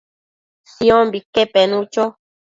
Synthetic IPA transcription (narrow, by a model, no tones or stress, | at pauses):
siɔ̃mbikepɛnũt͡ʃɔ